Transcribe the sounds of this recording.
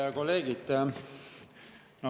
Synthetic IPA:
ɑko̞lːeːɡ̥it̪ | no

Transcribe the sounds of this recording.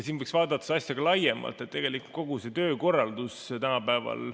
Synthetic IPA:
ɑsiːnvɤjksvɑːd̪ɑt̪ːˑɑ̥seɑsjɑɡ̥ɑlɑje̞mɑ̰lt̪ːˑe̞t̪t̪ːe̞ɡ̥e̞liku̥t̪̚ko̞ɡ̥use̞t̪ø̞ːko̞rːɑld̪ust̪ænɑpæevɑ̰l

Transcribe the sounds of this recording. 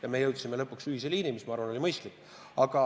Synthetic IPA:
jɑme̞jɤwt̪sime̞lɤpːˑuksyhiseliːnimismɑɑɾvɑno̞lʲimɤjst̪likː | ɑɡ̥ɑ

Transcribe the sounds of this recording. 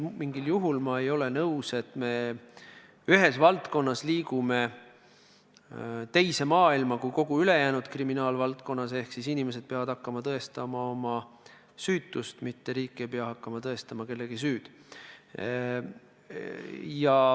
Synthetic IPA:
miŋɡ̥iljuɦulmɑe̞jo̞le̞nɤuse̞t̪ːˑme̞ | yɦe̞svɑlt̪ko̞nːɑsliːɡume̞ | t̪e̞jse̞mɑːilmɑkujko̞ɡ̥uyle̞jæːnud̪̥kriminɑːlvɑlt̪̚ko̞nːɑse̞hksisinʲime̞s̬e̞d̪̥̚peɑvɑd̪̥hɑkːɑmɑt̪ɤest̪ɑmɑo̞mɑ | syːt̪ːˑust̪mit̪ːe̞ɾiːkːˑiejpeɑhɑkːɑmɑt̪ɤe̞st̪ɑmɑke̞lːe̞ɡ̥isyːd̪̥ | jɑ

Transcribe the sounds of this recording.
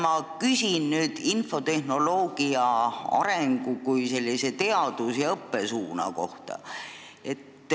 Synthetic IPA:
mɑkysʲinnyːd̪̥info̞t̪e̞hno̞lo̞ːɡ̥iɑɑ̰ɾe̞ŋɡ̥ukujse̞lʲːise̞t̪e̞ɑd̪̥usjɑɤpːe̞suːnɑ̰ko̞ht̪ɑ̰ | e̞t̪ː

